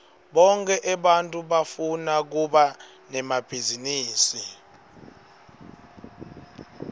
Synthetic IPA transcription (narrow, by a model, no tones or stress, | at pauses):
ɓɔŋkʼɛʔɛɓantʼuɓafunak̬uɓa | nɛmab̥ʱiziniːsi